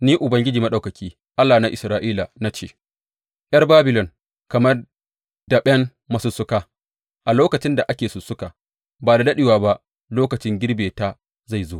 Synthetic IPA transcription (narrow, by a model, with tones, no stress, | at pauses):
niː˦ʔʊ˨bɐ˦ŋɡʲɪ˦d͡ʒiː˨ma˦ɗa˨kɐ˨kʲʰiː˦ | ʔa˦lːaː˨na˦ʔɪ˨sɾaː˦ʔiː˦la˨na˦t͡ʃḛː˦ | ʔj̰ɐ˦rbaː˦bɪ˨lɔ˨ŋ | kɐ˨mɐ˦r | da˨ɓʲɛ˦n | mɐ˨sʊ˦˨sːʊ˦kaː˦ | ʔa˨loː˦kɐ˨t͡ʃɪ˦nda˨ʔa˦kʲeː˨sʊ˨sʊ˦ka˨ | baː˨da˨dɐ˦ɗɪ˨waː˨ba˦ʔ | loː˦kɐ˨t͡ʃɪ˦ŋɡʲɪ˦ɽbeː˨ta˦ | za˦˨jzoː˦